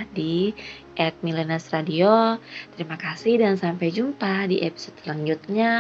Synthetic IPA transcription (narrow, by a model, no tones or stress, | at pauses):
di | ʔɛt̪̚milɛnɛsradiot̪əɾimakasihdansampajd͡ʒumpadiʔepi̥sodslaɲd͡ʒut̪̚ɲa